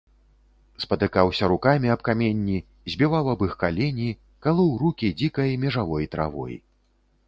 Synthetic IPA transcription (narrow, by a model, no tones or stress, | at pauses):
spɐt̪ɨkawsʲɐɾukamʲiɐpkamʲenʲːi | zʲbʲɛvawɐbɨxkalʲɛnʲi | kalˠɔwɾukʲid͡zʲikɐjmʲɛʐavɔjt̪ɾʔa̰vɔ̰j